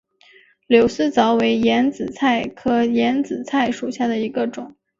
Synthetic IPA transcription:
ljo˨˩ʊsɹ̩˥˩t͡sɑ˧˥ʊwe˧˥ɪjɛ˧˥nt͡sɹ̩˨˩t͡sʰa˥˩ɪkʰɤ˥jɛ˧˥nt͡sɹ̩˨˩t͡sʰa˥˩ɪʂu˨˩ɕja˥˩d̪ə˩i˧˥ɡə˧ʈ͡ʂʊ˨˩˦ŋ

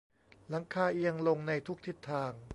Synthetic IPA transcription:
la˩˦ŋkʰaː˧ʔi˧ə˧ŋlo˧ŋna˧jt̪ʰu˦˥k̚t̪ʰi˦˥˩t̪ʰːaː˧ŋ

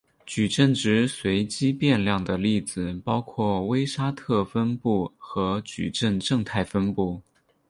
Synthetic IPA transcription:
t͡ɕy˨˩ʈ͡ʂə˥˩nʈ͡ʂɻ̩˧˥swe˧˥ɪt͡ɕi˥pjɛ˥˧nljɑ˥˩ŋd̪ə˩li˥˩d͡zɹ̩˨˩pɑ˥ʊkʰwɔ˥˩we˥ɪʂa˥t̪ʰɤ˥˩fə˥npu˥˩xɤ˧˥t͡ɕy̰˨˩ʈ͡ʂə˥˧nʈ͡ʂɤ˥˧ŋt̪ʰa˥˩ɪfə˥npu˥˩

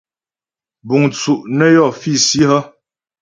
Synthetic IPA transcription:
bu˨ŋt͡su˨ʔnə˦jɔ˦˨fi˦˨si˦hə˦

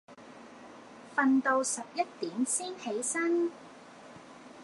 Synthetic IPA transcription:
fɐ˧nt̪o˧wsɐ˨p̚jɐ˥t̚t̪iː˨˥msiː˥nhe˨˥jsɐ˥n

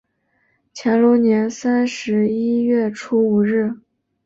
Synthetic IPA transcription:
t͡ɕʰjɛ˧˥nlɔ˧˥njɛ˧˥nsa˥nʂɻ̩˧˥i˥ɥɛ˥˩ʈ͡ʂʰu˥u˨˩ɻɻ̩˥˩

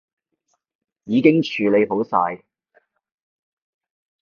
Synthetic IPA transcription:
jiː˨˧kɪ˥ŋt͡ʃʰyː˨le˨˧jpo˨˥wsaː˧j

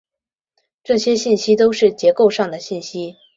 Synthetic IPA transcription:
ʈ͡ʂɤ˥˩ɕjɛ˥ɕi˥˩nɕi˥t̪o˥ʊʂɻ̩˥˩t͡ɕjɛ˧˥ko˥˧ʊʂɑ˥˩ŋd̪ə˩ɕi˥˩nɕi˥

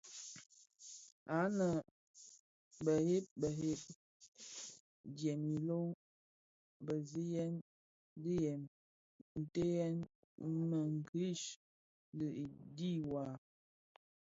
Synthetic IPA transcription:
a˨˦nə˨ | bə˨he˦p̚bə˨ɦe˦p̚ | djɛ˨mi˨lo˦ŋ | bə˨zi˦jɛ˦n | di˦jɛ˨m | n̩˨te˦jɛ˦n | mə˨ŋ˨ki˦ʃ | lə˨i˨di˦˨wa˨

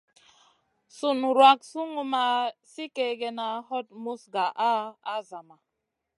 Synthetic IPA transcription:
su˨nɾwa˨k̚su˦ŋu˨ma˨si˦ke˨ɡɛ˨na˨ɦɔ˦t̚mu˦sɡa˨ʔa˦a˦za˨ma˨

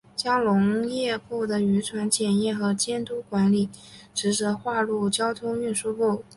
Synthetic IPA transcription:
t͡ɕjɑ˥ŋlʊ˧˥ŋjɛ˥˧pu˥˩d̪ə˩y˧˥ʈ͡ʂʰwa˧˥nt͡ɕjɛ˨˩njɛ˥˩xɤ˧˥t͡ɕjɛ˥nt̪u˥kwa˧˥nli˨˩ʈ͡ʂɻ̩˧˥ʈ͡ʂɤ˧˥xwa˥˧lu˥˩t͡ɕjɑ˥ʊt̪ʰʊ˥ŋy˥˩nʂu˥pu˥˩

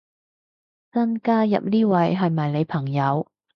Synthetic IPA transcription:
t͡sɐ˥nkaː˥jɐ̰˨p̚niː˥wɐ˨˧jɦɐ˨jmɐ˨jne˨˧jpʰɐ˨˩ŋjɐ˨˧w

